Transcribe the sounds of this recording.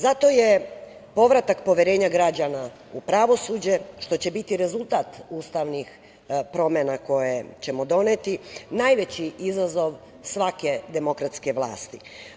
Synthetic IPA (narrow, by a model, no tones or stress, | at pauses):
zat̪oje̞ | po̞ʋɾat̪akpo̞ʋjeɾe̞ːɲaɡɾad͡ʑana | upɾaʋo̞suːd͡ʑe̞ʃt̪o̞t͡ɕe̞bit̪iɾe̞zulˠt̪at̪uːst̪aʋnix | pɾo̞menako̞jet͡ɕe̞mo̞d̪o̞net̪inaːjʋe̞t͡ɕiʔizazo̞ʋ | sʋake̞d̪e̞mo̞kɾat̪ske̞ʋlˠa̰ːst̪i